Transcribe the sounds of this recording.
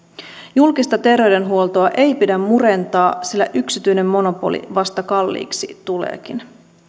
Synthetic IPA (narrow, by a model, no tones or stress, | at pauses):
julkist̪ɑt̪e̞rʋe̞jde̞nɦuo̞lt̪oɑʔe̞jpidæmmuɾe̞nt̪ɑːsilːæʔyksit̪yjne̞mːo̞no̞po̞̰lḭʋɑst̪ɑkɑlːḭːksit̪ulḛːk̟in